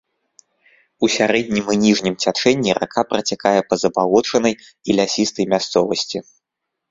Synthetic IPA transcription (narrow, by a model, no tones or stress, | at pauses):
usʲaɾɛd̪ʲnʲimɨnʲiʐnʲimt͡sʲat͡ʂɛnʲːiɾʔa̰kʰapɾɐt͡sʲakajɛpɐzɐbalˠɔt͡ʂɐnɐj | ilʲasʲist̪ɐjmʲast̪sɔvɐsʲt͡sʲi